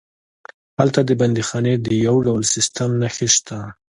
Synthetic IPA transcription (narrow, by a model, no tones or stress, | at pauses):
halt̪ad̪əband̪ixɑned̪əjawɖawlsɪst̪amnaxeʃt̪ʰa